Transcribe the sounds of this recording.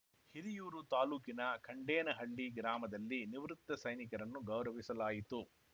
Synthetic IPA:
hiɾijuːɾut̪aːluːkinɐkʰɐɳɖeːnɐɦɐɭːiɡɾaːmɐd̪ɐlːiniʋɾut̪ːɐsɐjnikɐɾɐnːuɡɐwɾɐʋisɐlaːjit̪u

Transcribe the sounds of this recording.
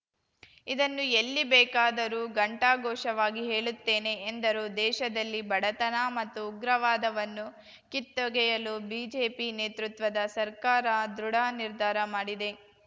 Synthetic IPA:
id̪ɐnːuelːibɛːkaːd̪ɐɾuːɡɐɳʈaːɡɔːʃɐʋaːɡiɦe̞ːɭut̪ːe̞ːne̞ːnd̪ɐɾuːd̪ɛːʃɐd̪ɐlːibɐɽɐt̪ɐnaːmɐt̪ːuːɡɾɐʋaːd̪ɐʋɐnːu | kit̪ːɔɡɛjɐlubiːd͡ʒe̞ːpineːt̪ɾut̪ʋɐd̪ɐsɐɾkaːɾɐd̪ɾuɽaːniɾd̪ʱaːɾɐmaːɽid̪e̞

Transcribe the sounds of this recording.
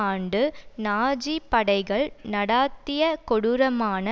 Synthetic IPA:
aːɳɖɯnaːd͡ʒipɐɽɐɪɣɐɭnɐɽaːt̪ːɪjɐkɔɽɯɾɐmaːnɐ

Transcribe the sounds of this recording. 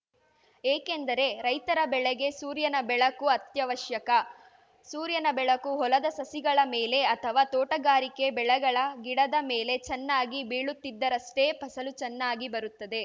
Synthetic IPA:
eːkend̪ɐɾe̞ɾɐjt̪ɐɾɐbɛɭɛɡe̞suːɾjɐnɐbɛɭɐkuɐt̪jɐʋɐʃjɐkɐ | suːɾjɐnɐbɛɭɐkuɦɔlɐd̪ɐsɐsiɡɐɭɐmeːle̞ɐt̪ʰɐʋaːt̪ɔːʈɐɡaːɾike̞bɛɭɛɡɐɭɐɡiɽɐd̪ɐmeːle̞t͡ʃɛnːaːɡibiːɭut̪ːid̪ːɐɾɐst̪e̞ːpɐsɐlut͡ʃɛnːaːɡibɐɾut̪ːɐd̪e̞

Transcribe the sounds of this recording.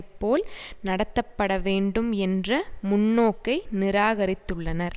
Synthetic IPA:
pːoːlnɐɽɐt̪ːɐpːɐɽɐʋeːɳɖɯmɛndrɐmʊnːoːkːɐɪnɪɾaːɣɐɾɪt̪ːɯɭːɐnɐɾ

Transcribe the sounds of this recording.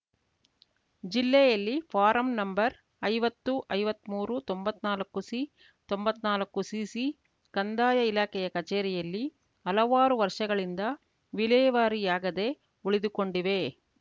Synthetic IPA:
d͡ʒilːɛjɐlːipʰaːɾɐmnɐmbɐɾ | ɐjʋɐt̪ːuʔɐjʋɐt̪ːmuːɾut̪ombɐt̪ːnaːlɐkːusi | t̪o̞mbɐt̪ːnaːlɐkːusiːsi | kɐnd̪aːjɐilaːkɛjɐkɐt͡ʃeːɾɛjɐlːi | ɦɐlɐʋaːɾuʋɐɾʂɐɡɐɭind̪ɐ | ʋilɛːʋaːɾijaːɡɐd̪e̞ | uɭid̪uko̞ɳɖiʋe̞

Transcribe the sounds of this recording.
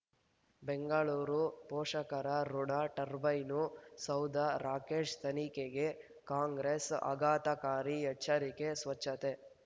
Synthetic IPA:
beŋɡɐɭuːɾupɔːʂɐkɐɾɐɾuɳaʈɐɾbɐjnusɐwd̪ʱɐɾaːkeːʂt̪ɐnikeɡe | kaːŋɡɾesɐ̰ɡaːt̪ɐkaːɾijɐt͡ʃːɐɾikesʋɐt͡ʃːɐt̪e

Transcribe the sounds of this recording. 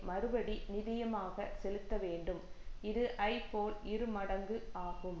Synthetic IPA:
mɐɾɯbɐɽinɪðɪjɐmaːɣɐsɛlɯt̪ːɐʋeːɳɖɯmɪðɯʔɐɪpoːlɪɾɯmɐɽɐŋɡɯaːɣɯm

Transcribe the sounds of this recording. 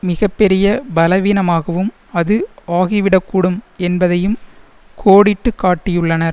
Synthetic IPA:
mɪɣɐpːɛɾɪjɐbɐlɐʋiːnɐmaːɣɐʋɯm | ɐðɯaːɣɪʋɪɽɐkːuːɽɯmɛnbɐðɐjɯm | kʰoːɽɪʈːɯkːaːʈːɪjɯɭːɐnɐɾ

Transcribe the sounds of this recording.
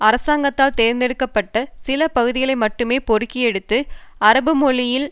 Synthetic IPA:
ɐɾɐsaːŋɡɐt̪ːaːlt̪eːɾnd̪ɛɽɯkːɐpːɐʈːɐsɪlɐpɐɣɯðɪɣɐɭɐɪmɐʈːɯmeːpɔɾɯkːɪjɛɽɯt̪ːɯɐɾɐbɯmʊɭɪjɪl

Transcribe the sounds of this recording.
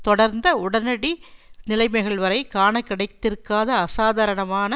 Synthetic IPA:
t̪ɔɽɐɾnd̪ɐʊɽɐnɐɽinɪlɐɪmɐɣɐɭʋɐɾɐɪkaːɳɐkːɐɽɐɪt̪ːɪɾkaːðɐːsaːðaːɾɐɳɐmaːnɐ

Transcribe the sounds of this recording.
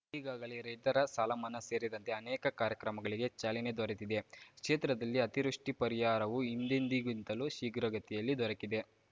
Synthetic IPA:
iːɡaːɡɐɭeɾeʈɐɾɐsalɐmɐnɐse̞ːɾid̪ɐnt̪e̞ɐnɛːkɐkaːɾjɐkɾɐmɐɡɐɭiɡe̞t͡ʃaːlined̪ɔɾɐt̪id̪e̞kʂeːt̪ɾɐd̪ɐlːiɐt̪iɾuʂʈipɐɾijaːɾɐʋuind̪end̪iɡunt̪ɐluʃiːɡɾɐɡɐt̪ijɐlːid̪ɔɾɐkid̪e

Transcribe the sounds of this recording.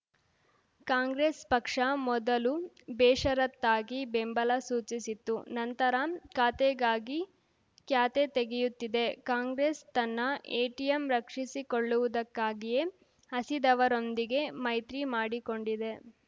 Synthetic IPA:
kaːŋɡɾespɐkʂɐmɔd̪ɐlu | bɛːʂɐɾɐt̪ːaːɡibembɐlɐsuːt͡ʃisit̪ːunɐnt̪ɐɾɐkaːt̪eɡaːɡi | kjaːt̪et̪eɡejut̪ːid̪e̞kaːŋɡɾest̪ɐnːɐʔeːʈijemɾɐkʂisikoɭːuʋud̪ɐkːaːɡije̞ | ɦɐsid̪ɐʋɐɾo̞nd̪iɡe̞mɐjt̪ɾimaːɽiko̞ɳɖid̪e̞

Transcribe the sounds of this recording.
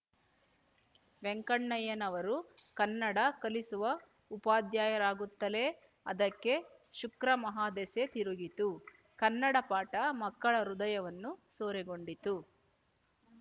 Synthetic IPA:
ʋeŋkɐɳːɐjeːnɐʋɐɾukɐnːɐɽɐkɐlisuʋɐ | upaːd̪jaːjɐɾaːɡut̪ːɐle | ɐd̪ɐkːe̞ | ʃukɾɐmɐɦaːd̪eset̪iɾuɡit̪u | kɐnːɐɽɐpaːʈɐmɐkːɐɭɐɾud̪ɐjɐʋɐnːusoːɾɛɡo̞ɳɖit̪u

